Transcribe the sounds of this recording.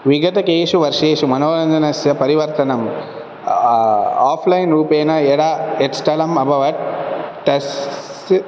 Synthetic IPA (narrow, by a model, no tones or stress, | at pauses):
ʋiɡɐt̪ɐkeːʂuʋɐɾʂeːʂumɐnoːɾɐnd̪ʱɐnɐsjɐpɐɾiʋɐɾt̪ɐnɐm | aːfʰlɐɪnɾuːpeːnɐeɽaːeʈsʈɐlɐmɐbʱɐʋɐʈ̚ʈːɐs